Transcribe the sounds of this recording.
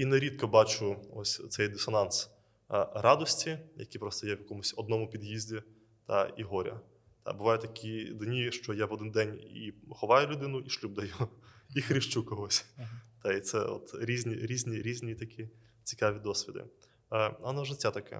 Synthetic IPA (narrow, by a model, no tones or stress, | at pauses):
inɛɾʲid̪kɔbɑt͡ʃʊɔsʲt̪sɛjd̪ɪsɔnɑns | rɑd̪ɔsʲtʲijɐ̰kʲipɾɔst̪ɔjɛwjɐkɔmʊsʲɔd̪nɔmʊpʲid̪jizʲdʲi | t̪ɐ̰iɦɔɾʲɐ̰ | t̪ɑ̰bʊʋɑjʊt̪ɐkʲid̪nʲiʃt͡ʃɔjaʋɔd̪ɪnd̪ɛnʲḭxɔʋɑjʊlʲʊd̪ɪnʊʔiʃlʲub̚d̪ɐjuixɾʲɪʃt͡ʃukɔɦɔsʲt̪ɐit̪sɛ̰ɔ̰t̪ɾʲizʲnʲiɾʲizʲnʲiɾʲizʲnʲit̪ɐkʲʰi | t͡sʲi̥kɑʋʲid̪ɔsʲʋʲid̪ɪ̰ | ɐnɔʒɪtʲːat̪ɐkɛ̰